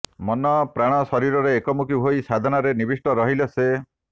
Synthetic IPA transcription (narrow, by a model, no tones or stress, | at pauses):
mɔnɔpɾaɽ̃ɔsɔɾiɾɔɾeːkɔmukiɦojsad̪ʱɔnɔɾenibisʈɔɾɔɦilese